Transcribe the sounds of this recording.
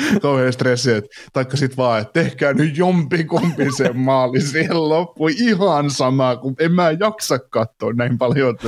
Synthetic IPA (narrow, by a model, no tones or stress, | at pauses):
kɑuheːˑst̪reseːt̪ | t̪ɑikːɑsit̪ʋɑːet̪t̪ehkæːnyjjompikompisemmɑːlisiellopːuiihɑnsɑmɑːkuemmæːjɑksɑkkɑt̪ːoːnnæimpɑljot̪ː